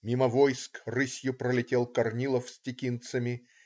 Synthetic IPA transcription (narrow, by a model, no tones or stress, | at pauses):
mʲiməvojskrɨsʲjʊpɾəlʲɪtʲe̞lˠkɐrnʲilˠəfsʲtʲɪkʲint̪səmʲɪ